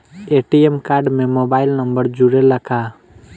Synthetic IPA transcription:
eʈiemkaɾɖmemobailnəmbəɾd͡ʒuɾeləkʰa

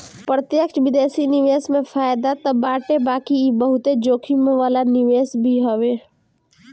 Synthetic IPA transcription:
pɾət̪jəkt͡ʃʋɪd̪eːsinɪʋeːsmẽfʰaːjd̪at̪əbaːʈebaːkibəɦʊt̪ed͡ʒoːkʰimʋaːlanɪʋeːsbʱiɦoʋeː

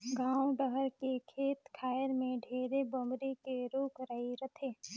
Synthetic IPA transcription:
ɡãːwɖəɦəɾkekʰeːt̪kʰaːjəɾmẽɖʱeːɾebəmɾikeɾuːkɾəɦiɾət̪ʰeː

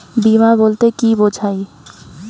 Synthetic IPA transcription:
bimaboːlt̪ekiboːd͡ʒʰʱaːi

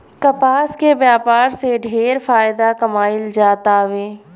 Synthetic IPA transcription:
kɐpaːskebjaːpaːɾseɖʱeːɾfaːjɪd̪akɐmaːɪld͡ʒaːt̪aʋeː

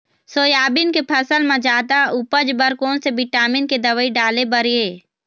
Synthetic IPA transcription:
soːjaːbɪnkepʰəsəlmãd͡ʒaːt̪aupəd͡ʒbəɾkoːnsebɪʈaːmɪnked̪əʋəiɖaːlebəɾieː

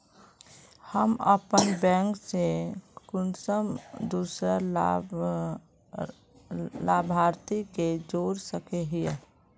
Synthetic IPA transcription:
həmə̰pənbɛ̃ːŋksekʊnsəmd̪uːsɾə | laːbʱaːɾt̪iked͡ʒoːɾsəkeɦie

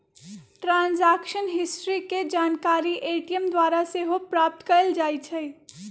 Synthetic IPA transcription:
ʈɾãːnzaːkʃənɦɪsʈɾiked͡ʒaːnkaːɾiʔeʈijəmd̪waːɾaseɦopɾaːp̚t̪kəɾəld͡ʒaːit͡ʃʰɛ

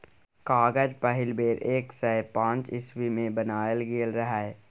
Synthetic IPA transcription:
kaːɡəd͡ʒpəɦɪlbeːɾʔeːksɛpãːt͡ʃɪswimẽbənaːjəlɡeːlɾəɦɛ

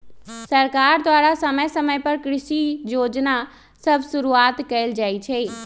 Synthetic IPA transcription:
səɾkaɾd̪waɽasəməjsəməjpəɾkɾɪʃijoːd͡ʒna | səbʱsuɾuat̪kəɪld͡ʒaːit͡ʃʰɛ

